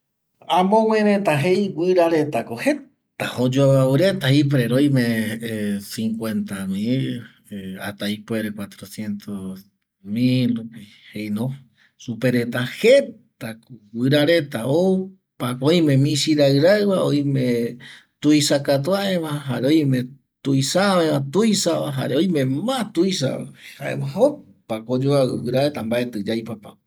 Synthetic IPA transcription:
ãmõwẽɾẽt̪aɦejwʷɨɾaɾet̪akohe | t̪ahod͡ʒoβaβɨɾet̪aip̬ɾeɾojmẽ | siŋkwent̪amil | a̰t̪ajpweɾekwat̪ɾosjent̪os | milɾupi | hejnõ | supeɾet̪ahet̪akuwɨɾaɾet̪aou | pakojmẽmĩsiɾaɨɾaβaojmẽ | t̪uisakat̪̬uaeβaɦaɾeojmẽ | t̪uisaβeβat̪ujsaβaɦa̰ɾeojmẽmãt̪uisa̰ha̰ḛβaɦo | pakod͡ʒoaɨɾaɾet̪ambaʔet̪ɨd͡ʒajpapa

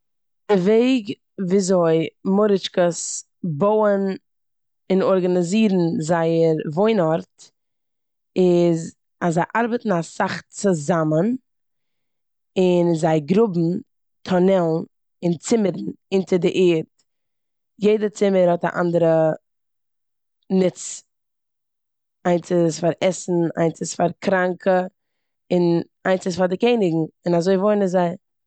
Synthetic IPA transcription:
d̥ɪveɪɡ | viːzoɪmʊɾɪt͡ʃkəs | boʊən | ɪnɔɾɡanɪziːɾn̩zaɪəɾvoɪnɔɾt | ɪz | azːaɪʔaɾbətn̩asaχt͡sʊzamən | ɪnzaɪɡɾʊbm̩ | tʰɔnɛlˠn̩ | ɪnt͡sɪməɾn̩ɪntədɪʔeːɾt | jeɪdət͡sɪməɾhɔta̰ʔa̰ndəɾə | nɪt͡s | aɪnt͡sɪsfaɾɛsn̩a̰ɪnt͡sɪsfaɾkɾaŋkʰə | ɪn | aɪnt͡sɪsfaɾdɪkeɪnɪɡŋ̩ɪnazoɪvoɪnəzaɪ

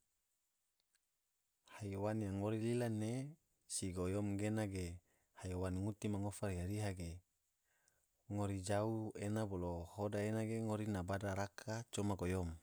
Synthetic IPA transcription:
hajowanjaŋoɾililane | siɡojomɡenaɡe | hajowanŋut̪imaŋofaɾijaɾiɦaɡe | ŋoɾid͡ʒauenabolohodaenaɡeŋoɾinabadaɾakʰat͡ʃomaɡojom

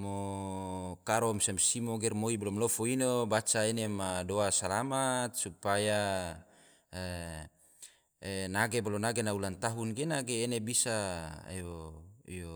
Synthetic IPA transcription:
mo | kaɾɔmsamsimoɡɛrmoibalɔmlɔfoinobat͡ʃaenemadoasalamat̪̚supaja | naɡebalɔnaɡenaulant̪aɦunɡenaɡeːnebisa̰joḭjo

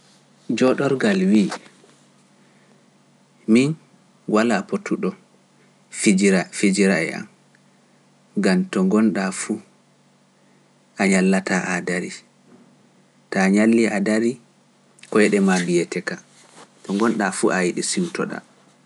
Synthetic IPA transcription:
d͡ʒɔɗɔɾɡalwi | min | walapotʰːuɗɔ | fid͡ʒiɾa̰ɛ̰a̰m | ɡamtɔŋɡɔnɗafu | ʔaɲalːataʔadaɾi | taɲalːiʔadaɾi | kɔjɛɗɛmabijɛtɛka | tɔŋɡɔnɗafuʔajiɗɛsiwtɔ̰ɗa̰

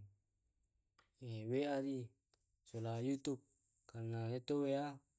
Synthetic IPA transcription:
eβeaði | solajut̪up̚ | kanãðet̪owea

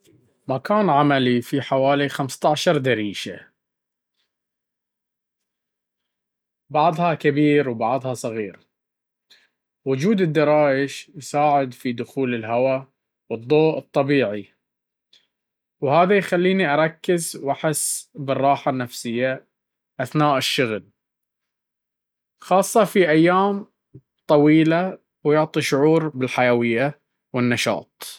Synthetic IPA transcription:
makaːnʕamalifiħawaːlixamst̪aʕʃɑɾˤd̪aɾiːʃa̰ | bɑʕðˤhɑkabiːɾwbɑʕðˤhɑsˤɑɣiːɾ | wʊd͡ʒuːd̪ɪd̪ːɑɾˤɑːʔɪʃjsaːʕɪd̪fid̪ʊxuːlɪlɦawa | wɨd̪ˤːoːʔɨt̪ˤːɑbiːʕi | whaːðajxalːiːniʔɑɾˤɑkːɪzwʔaħɪsːbɨrˤːɑːħanːafsɪjːa | ʔaθnaːʔɪʃːʊɣl | xɑːsˤːɑfiʔajːaːm | t̪ˤɑwiːla | wjʊʕt̪ˤiʃʊʕuːɾbɪlħajawɪjːa | wɪnːɑʃɑ̰ːt̪̚ˤ

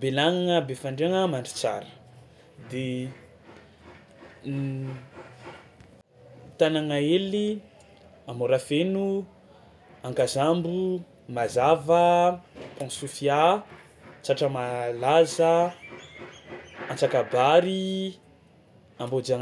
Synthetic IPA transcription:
belaŋaŋəbefaɳɖ͡ʐeaŋəmaɳɖ͡ʐi̥t͡sa̰ɾə̥ | d̪e | t̪anaŋaeli | amoɾafenu | aŋkazambu | mazavəpɔ̃ŋsufia | t͡saʈ͡ʂəmalazə | ant͡sakabaɾi | ambod͡zaŋ

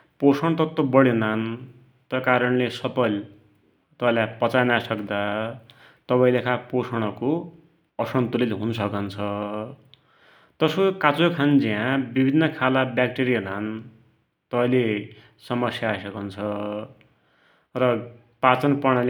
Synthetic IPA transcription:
posʌɽ̃t̪ʌt̪ːobʌɽenan | t̪ʌkaɾʌɳlesʌpʌl | t̪ʌpalapʌt͡sanasʌkd̪a | t̪ʌpaĩlekʰaposʌɽ̃ʌko | ʌsʌnt̪ulit̪ɦunʌsʌkʌnt͡sʰʌ | t̪ʌsokat͡sokʰand͡ziãbibʱinːʌkʰalabjak̚ʈeɾionan | t̪ʌpaĩle | sʌmʌsjaːsʌkʌnt͡sʰʌ | rʌ | pat͡sʌnpʌɽ̃ʌl

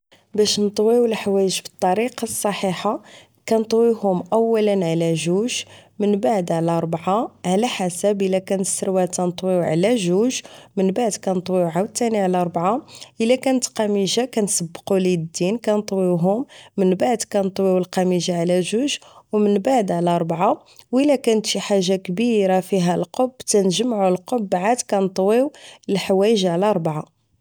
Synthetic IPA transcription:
bæʃnət̪ˤwiwəlħwæjəʒbət̪ˤːɑɾiqɑsˤːɑħiħa | kænt̪ˤwihʊmʔæwːælənʕalæʒuʒmənbaʕd̪ʕlæɾˤbʕaʕlæħasæbʔəlːækænət̪səɾwæt̪ænt̪ˤwiʕ̰læʒuʒmənbaʕd̪kænt̪ˤwiwʕawət̪ːæniʕlæɾˤbʕaʔəlːækænət̪qæmiʒakænsəbːqulid̪inkænt̪ˤwiwɦʊmːənbaʕd̪kænt̪ˤwiwəlqæmiʒaʕlæʒuʒwmənbaʕd̪ʕlæɾˤbʕa | wəlːækænət̪ʃiħaʒːakbiɾafiɦælqobt̪ænʒəmʕulqobːʕad̪kænt̪ˤwiwəlħwæjəʒʕlɾˤbʕa

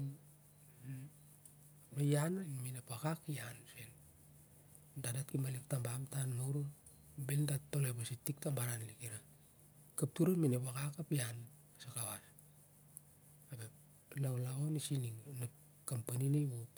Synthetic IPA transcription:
najananminepakakjansen | dadatkimalik̚tambamtanmawɾu | beldatolepasitik̚tambaɾanlikiɾa | kap̚tuɾaminepakakapian | asakawas | abe | lawlaonisiniŋnap | kampaninejβop

